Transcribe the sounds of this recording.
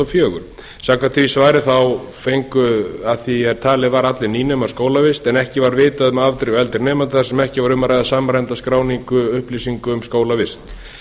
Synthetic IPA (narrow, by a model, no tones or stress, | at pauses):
afjœːɣʏ̰ɾ̥ | sakat̪ʰɾisvaːjɾɪθawfejŋkʏaθiɛɾt̪ʰaːlɪvaɾat̪lɪniːnɛmḁskoːwlavɪst̪ɛnɛhcɪvaɾvɪːt̪aðʏmavt̪ɾʏɛlt̪ɪɾnɛːmant̪ɪθaɾ̥sɛmɛhcɪvaɾʏmːaɾajðasaːmɾajnt̪askɾaːwniŋkʏʏhplisiŋkʏːmskoːwlavɪst̪